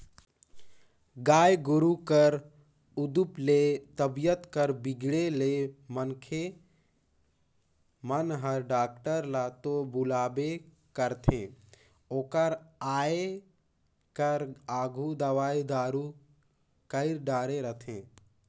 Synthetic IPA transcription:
ɡaːjɡʊɾukəɾ | ʊd̪uplet̪əbijət̪kəɾbɪɡɽelemənkʰe | mənɦəɾɖaːk̚ʈəɾlat̪obʊlaːbe | kəɾt̪ʰẽː | oːkəɾaːe | kəɾaːɡʱud̪əʋaːid̪aːɾu | kəɪɾɖaːɾeɾət̪ʰẽː

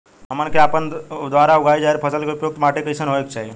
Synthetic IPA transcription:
ɦəmənkʰeaːpənd̪ʋaɾaʊɡʱaːed͡ʒaːeɾpʰəsəlkʰeupjoːk̚t̪maːʈekəjsənɦoekt͡ʃʰaːɦi

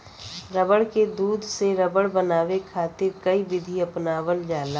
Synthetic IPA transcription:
ɾəbəɽked̪uːd̪ʱseɾəbəɽbənaːwekʰaːt̪eɾkəiʋɪd̪ʱiɐpnaːwəld͡ʒaːlaː

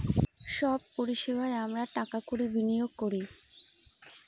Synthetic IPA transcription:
ʃɔb̚poɾiʃebʱaeamɾaʈakakuɾibʱinijoɡ̚koɾi

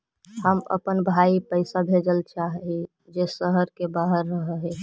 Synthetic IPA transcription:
həmə̰pənbʱaipəɪsabʱed͡ʒəlt͡ʃaɦɦi | d͡ʒesəɦəɾkebaɦəɾːəɦɦe

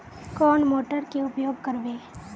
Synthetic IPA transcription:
kɔːnmoːʈəɾkeʊpjoːɡ̚kɐɾbeː

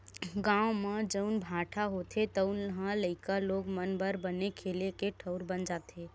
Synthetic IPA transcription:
ɡãomed͡ʒəʊnbʱaʈʰaɦot̪ʰet̪əʊnəɦãləɪkaloɡmənbəɾbənekʰelekeʈʰəʊɾbənd͡ʒaːt̪e

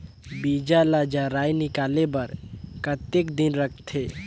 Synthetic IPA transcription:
bid͡ʒalad͡ʒaɾaːjnɪkaːlebəɾkət̪ːekd̪inɾəkʰt̪ʰe

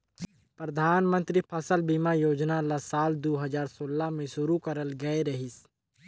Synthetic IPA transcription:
pɾəd̪ʱaːnmə̃nt̪ɾipʰəsəlbimajoːd͡ʒnalasaːld̪oːɦəzaːɾsoːlamẽʃʊɾukəɾəlɡɐeɾɐɦɪs

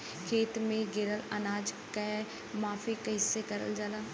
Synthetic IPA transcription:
kʰeːt̪mẽɡɪɾələnaːd͡ʒke | maːfikɦɪsːekɐɾə̰ld͡ʒaːlaː

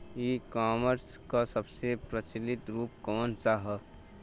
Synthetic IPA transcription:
jikaːməɾskasəbsepɾət͡ʃɪlɪt̪ɾuːp̚kɔːnt͡ʃaɦə

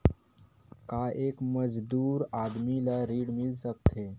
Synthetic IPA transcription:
kaʔekməd͡ʒd̪uːɾad̪milaɾiːɽmilsək̚t̪ʰe

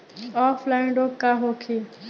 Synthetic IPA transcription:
ɔːflaɪnɖokaɦoːkʰi

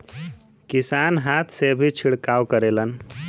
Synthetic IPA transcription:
kisanɦat̪ʰsebʱit͡ʃʰiɽkawkəɾelən

